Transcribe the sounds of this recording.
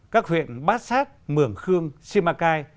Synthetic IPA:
kaː˦˥k̚hwḭ˧˨ənɓaː˦˥t̚saː˦˥t̚mɨ˧˩əŋxɨ˧əŋsi˧maː˧kaː˧j

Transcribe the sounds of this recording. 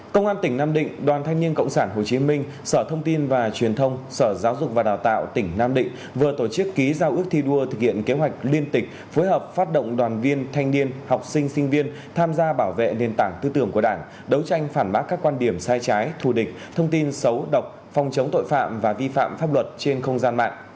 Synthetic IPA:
kə˧wŋ͡mʔaː˧nt̪ï˧˩ŋnaː˧mɗḭ̈˧˨ŋ̟ɗwaː˨˩nt̪ʰa˧jŋ̟ni˧ənkə̰˧˨wŋ͡msaː˧˩nɦo˨˩t͡ɕi˨˦mï˧ŋ̟ | səː˧˩t̪ʰə˧wŋ͡mt̪i˧nvaː˨˩t͡ɕwi˨˩ənt̪ʰə˧wŋ͡msəː˧˩zaː˨˦wzʊ˨˩k͡p̚vaː˨˩ɗaː˨˩wt̪a̰ː˧˨wt̪ï˧˩ŋ̟naː˧mɗḭ̈˧˨ŋ̟ | vɨ˨˩ət̪o˧˩t͡ɕɨ˦˥kːi˨˦zaː˧wʔɨ˦˥ək̚t̪ʰi˧ɗu˧ət̪ʰɨ˨˩k̚hḭ˧˨ənke˨˦ɦwa˨˩jk̟̚li˧ənt̪ï˨˩k̟̚ | fo˨˦jɦəː˨˩p̚faː˦˥t̚ɗo̰˧˨wŋ͡mɗwaː˨˩nvi˧ənt̪ʰa˧jŋ̟ni˧ənha˨˩wk͡p̚sï˧ŋ̟sï˧ŋ̟vi˧ən | t̪ʰaː˧mzaː˧ɓaː˧˩wvḛ˧˨ne˨˩nt̪aː˧˩ŋt̪ɨː˧t̪ɨ˧˩əŋku˧˩əɗaː˧˩ŋ | ɗə˨˦wt͡ɕa˧jŋ̟faː˧˩nɓaː˦˥k̚ːaː˦˥kːwaː˧nɗi˧˩əmsaː˧jt͡ɕaː˨˦jt̪ʰu˧˩ɗï˨˩k̚t̪ʰə˧wŋ͡mt̪i˧nsə˨˦wɗə˨˩wk͡p̚ | fɔ˧wŋ͡mt͡ɕə˨˦wŋ͡mt̪o̰˧˨jfa̰ː˧˨mvaː˨˩vi˧fa̰ː˧˨mfaː˦˥p̚lwə˨˩t̚t͡ɕe˧nxə˧wŋ͡mzaː˧nma̰ː˧˨ŋʔ

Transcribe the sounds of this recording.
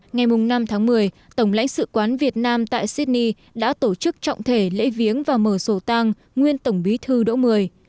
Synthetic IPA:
ŋa˨˩jmʊ˨˩ŋ͡mna˧mt̪ʰaː˨˦ŋmɨ˨˩əj | t̪ə˧˩wŋ͡mla̰˧˥jŋ̟sɨ̰˧˨kwaː˨˦nvi˨˩ət̚naː˧mt̪a̰ː˧˨jsi˦˥t̚ni˧ | ɗa̰ː˧˥t̪o˧˩t͡ɕɨ˦˥k̚t͡ɕɔ̰˧˨wŋ͡mt̪ʰe˧˩lḛ˧˥vi˨˦ənvaː˨˩məː˧˨˩so˧˩t̪a˧ŋ | ŋwi˧ənt̪ə˧˩wŋ͡mɓi˨˦t̪ʰɨ˧ɗo̰˧˥mɨ˨˩əj

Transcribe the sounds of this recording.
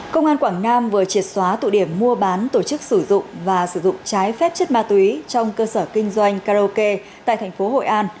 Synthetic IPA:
kə˧wŋ͡mʔaː˧nkwaː˧˩ŋnaː˧mvɨ˨˩ət͡ɕi˨˩ət̚swaː˨˦t̪ṵ˧˨ɗi˧˩əmːu˧əɓaː˨˦nt̪o˧˩t͡ɕɨ˦˥k̚sɨ˧˩zʊ̰˧˨ŋ͡mvaː˨˩sɨ˧˩zʊ̰˧˨ŋ͡mt͡ɕaː˨˦jfɛ˦˥p̚t͡ɕə˦˥t̚maː˧t̪wi˨˦t͡ɕɔ˧wŋ͡mkəː˧səː˧˩kï˧ŋ̟zwa˧jŋ̟kaː˧o˧ke˧t̪a̰ː˧˨jt̪ʰɛ˨˩ŋ̟fo˨˦ho̰˧˨jʔaː˧n

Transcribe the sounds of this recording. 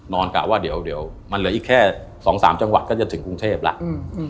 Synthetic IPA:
nɔː˧nkaː˨˩waː˥˩di˨˩˦əwdi˨˦əwma˧nlɯ˩˦ʔiː˨˩kʰːɛː˥˩sɔː˩˦ŋsaː˩˦mt͡ɕa˧ŋwa˨t̪̚kɔː˥˩t͡ɕa˨˧˩t̪ʰɯ˩˦ŋku˧ŋt̪ʰeː˥˩p̚la̰˦˥ʔ

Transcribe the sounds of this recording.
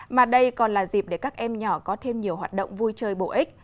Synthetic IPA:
maː˨˩ɗə˧jkɔ˨˩nlaː˨˩zi˨˩p̚ɗe˧˩kaː˦˥k̚ʔɛ˧mɲɔ˧˩kɔ˨˦t̪ʰe˧mɲi˨˩əwɦwaː˨˩t̚ɗə̰˧˨ŋ͡mvu˧jt͡ɕəː˧jɓo̰˧˩ʔï˦˥k̟̚

